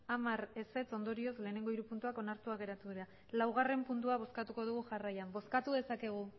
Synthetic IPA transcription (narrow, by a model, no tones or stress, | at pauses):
amaɾe̞se̞t͡so̞nd̪o̞ɾio̞zle̞ːne̞ŋɡo̞iɾupunt̪uako̞naɾt̪uaɣe̞ɾat̪uðiɾa | lawɣare̞mpunt̪̬uaβ̞o̞skat̪uko̞ð̞uɣ̞uʝarajambo̞skat̪uðe̞sake̞ɣ̞u